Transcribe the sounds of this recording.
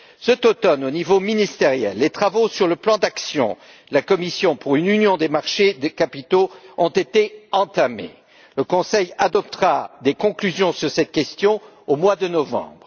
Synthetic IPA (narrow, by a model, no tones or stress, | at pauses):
sət̪ot̪ɔnonivominist̪eʁjɛ̰lːet̪χavosyʁləplɑ̃d̪aksjɔ̰̃ | lakɔmisjɔ̃puʁynynjɔ̃d̪emaʁʃed̪ekapit̪oɔ̃t̪et̪eɑ̃t̪amḛ | ləkɔ̃sɛjad̪ɔp̚t̪ʁad̪ekɔ̃klyzjɔ̃syʁsɛt̪kʲɛst̪jɔ̃ | omwad̪ənɔvɑ̰̃bʁ